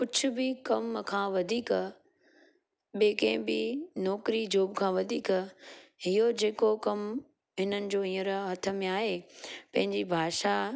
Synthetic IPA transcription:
kʊt͡ɕʰʊ̆bɪkɐmkʰãːʋɐd̪ʱiːk | ɓeːkɐ̃ɪ̃bɪnɔːkɾid͡ʑoːbkʰãːʋɐd̪ʱiːk | ɦiɦod͡ʑeːkokɐm | ɦɪnənɪ̆d͡ʑoːĩːəɾɦɐt̪ʰə̆mẽaːɦepɐ̃ɦɪ̃ɲd͡ʑibʱaːʃa

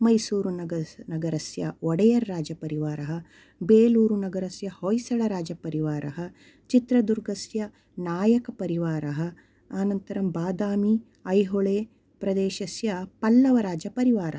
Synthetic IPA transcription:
mɐjsuːɾunɐɡɐɾɐsjɐ̰ɔɽɐjɐɾːaːd͡ʒɐpɐɾiʋaːɾɐɦɐ | beːluːɾunɐɡɐɾɐsjɐhojsɐɭɐɾaːd͡ʒɐpɐɾiʋaːɾɐɦɐ | t͡ʃit̪ɾɐd̪uɾɡɐsjɐ | naːjɐkɐpɐɾiʋaːɾɐɦɐ | aːnɐnt̪ɐɾɐmbaːd̪aːmi | ɐjɦoɭeː | pɾɐd̪eːʃɐsjɐpɐlːɐʋɐɾaːd͡ʒɐpɐɾiʋaːɾɐɦ

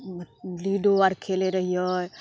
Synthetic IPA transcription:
liɖoaɾkʰeleɾəɦijɔj

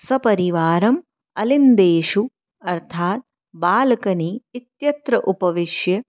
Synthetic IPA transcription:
sɐpɐɾiʋaːɾɐm | ɐlind̪eːʃu | ɐɾt̪ʰaːt̪̚ | baːlɐkɐniːt̪jɐt̪ɾɐʔupɐʋiʃjɐ

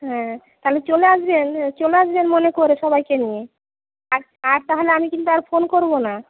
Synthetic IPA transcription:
ɦɛ̃t̪aɦelet͡ɕoleasbent͡ɕoleasbenmonekoɾeʃɔbajkenije | aɾ | aɾt̪aɦoleamikint̪uaɾfonkoɾbona

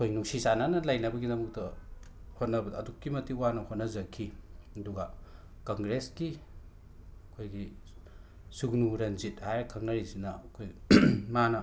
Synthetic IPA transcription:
ɐkʰojnuŋsisananɐlajnɐbɐɡidɐmuk̚tɐ | hot̚nɐbɐdːdukːimɐtiuwanɐhot̚nɐzɐkʰiɐduɡa | kaŋɡɾeski | ɐkʰojɡi | suɡnuɾɐnzit̚hajɾkʰɐŋnɐɾisinɐɐkʰojmanɐ

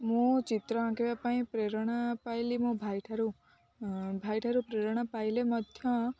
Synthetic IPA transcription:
mũt͡ʃit̪ɾɔãkeʋapaĩpɾeɾɽ̃apajlimũbʱajʈʰaɾu | bʱajʈʰaɾupɾeɾɽ̃apajlemʌd̪ʱjɔ̃

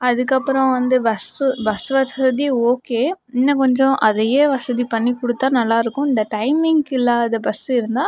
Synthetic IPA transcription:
ɐðɯkːɐpːɯɾɐ̃ʋɐnd̪ɯbɐsɯbɐsʋɐsɐðioːkeː | ɪnːɐkɔɲd͡ʒɔ̃ʔɐðɐjeːʋɐsɐðipɐɳːikʊɽɯt̪ːaːnɐlːaːɪɾɯkːʊ̃ɪnd̪ɐʈɐɪmɪŋɡɪlːaːðɐbɐsɪɾɯnd̪aː

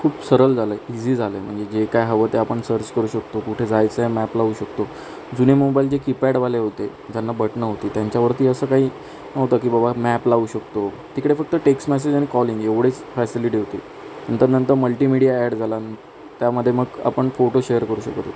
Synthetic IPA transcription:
kʰuːpsəɾəld͡zʱaləeid͡ʑiːd͡zʱaləem̤əɳd͡zed͡ʑekajɦəʋət̪eapəɳsəɾt͡ɕkəɾuːɕək̚t̪okuʈʰed͡zajt͡səemæplauːɕəkt̪o | d͡zunemobaild͡ʑekipæɽʋaleɦot̪e | d͡ʑanːabəʈnəɦot̪iːt̪jaɲt͡ɕjaʋəɾt̪iːəsəːkaɦiː | nəɦot̪ak̬iːbəbamæplaʋuːɕəkt̪o | t̪ikəɽefək̚t̪əʈeksʈmæs̬ed͡ʑaɽ̃ikɔliŋɡeʋɽ̤et͡sfɛsiliʈiːɦot̪ḭ | nənt̪əɾnənt̪əɾməlʈimiɽijaæɽd͡zʱalan | t̪jaməd̪ʱjeməɡa̰pəɳfoʈoɕeəɾkəɾuːɕəkt̪

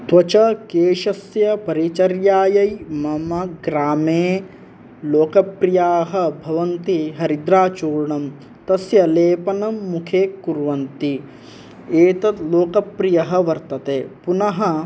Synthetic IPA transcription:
t̪ʋɐt͡ʃɐkeːʃɐsjɐpɐɾit͡ʃɐɾjaːjɐjmɐmɐɡɾaːmeː | loːkɐpɾijaːɦɐ̆bʱɐʋɐnt̪iɦɐɾid̪ɾaːt͡ʃuːɾɳɐm | t̪ɐsjɐleːpɐnɐmːukʰeːkːuɾʋɐnt̪i | eːt̪ɐt̪loːkɐpɾijɐɦɐ̆ʋɐɾt̪ɐt̪eːpunɐɦɐ

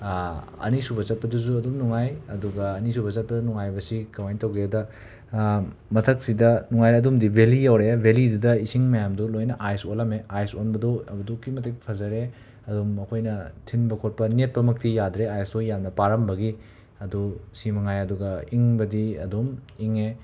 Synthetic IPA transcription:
ɐ̰nisubɐt͡ʃɐt̚pɐduzuɐdumnuŋajɐduɡɐːnisubɐt͡ʃɐt̚pɐdunuŋajbɐsikɐwajntɐwɡiadɐ | mɐtʰɐk̚sidɐnuŋajɐdumdibʱelijawɾebʱelidudɐisiŋmɐjamdulojnɐʔajsolɐmeajsonbɐduɐbɐdukːimɐtepʰɐzɐɾe | ɐdumɐkʰojnɐtʰinbɐkʰot̚pɐnet̚pɐmɐk̚tʰijadɾeajsdujamnɐpaɾɐmbɐɡi | ɐdusimɐŋajɐduɡɐiŋbɐdiɐ̰dumiŋe

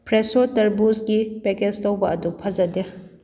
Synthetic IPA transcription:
pɾesotɐɾbusɡipeked͡ʒtowbɐʔɐdupʰɐzɐde

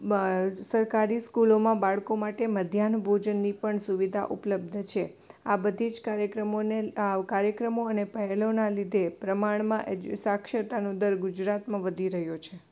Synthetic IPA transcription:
səɾkaɾiskulomãbaɭkomaʈeməd̪ʱjanbʱod͡ʒənːipəɳsuʋid̪ʱa̰ʔupləb̚d̪ʱt͡ʃʰe | abəd̪ʱid͡ʒkaɾjəkɾəmonekaɾjəkɾəmoənepəɦelonalid̪ʱepɾəmaɳ̃mãʔd͡ʒsakʃət̪anũd̪əɾɡʊd͡ʒɾat̪mãʋəd̪ʱiɾəɦjot͡ʃʰe

